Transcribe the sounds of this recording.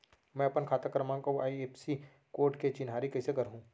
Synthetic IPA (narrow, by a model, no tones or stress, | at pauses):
mɛ̃ːɐpənkʰaːt̪əkɾəmãkoaːieːpsi | koːɾʈket͡ʃɪnɦaːɾikɐisekɐɾɦũː